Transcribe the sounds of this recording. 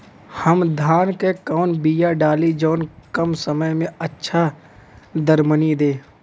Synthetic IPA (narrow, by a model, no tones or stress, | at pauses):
həmd̪ʱaːnkekəʊnbijaɖaːlid͡ʒoːnkəmsəməjmẽətːʃʰa | d̪əɾmənid̪eː